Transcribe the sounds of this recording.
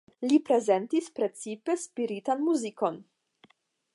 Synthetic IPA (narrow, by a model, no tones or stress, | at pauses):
lipɾe̞zentispɾe̞t͡sipe̞spiɾitanmuziko̞n